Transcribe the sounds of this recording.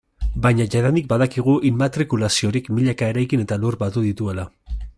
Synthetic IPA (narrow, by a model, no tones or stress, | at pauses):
baɲaʝaðand̪ik̚baðakiɣ̞uʔilmat̪ɾikulasio̞ɾikmiʎakae̞ɾajkine̞t̪aluɾbat̪uðit̪ue̞la